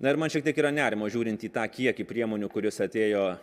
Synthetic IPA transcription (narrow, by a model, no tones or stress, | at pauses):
nɐɪɾmɐnʃʲiɛkt̪ʲiɛkiːɾɐnʲæːɾʲɪmoːʒʲuːɾʲɪnt̪ʲiːt̪ɑːkʲiɛkʲɪpʲɾʲiɛmoːnʲuːkʊɾʲɪsɐt̪ʲeːjoː